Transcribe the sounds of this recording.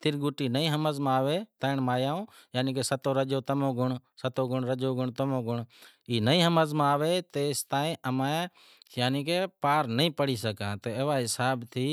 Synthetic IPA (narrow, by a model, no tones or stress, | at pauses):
t̪ɪɾɡʊʈiːnəĩːɦəməzmãːʋeːt̪əːɪɳmaːjaːõːjaːnĩːk̬eːsət̪oːɾəd͡ʒoːt̪əmõːɡʊɳsət̪oːɡʊɳɾəd͡ʒoːɡʊɳt̪əmõːɡʊɳ | iːnəĩːɦəməzmãːʋeːt̪eːst̪ãːĩːʔəmãː | jaːniːkeːpaːɾnəĩːpəɽiːsəkãːt̪eːeːʋaːɦɪsaːbt̪ʰiː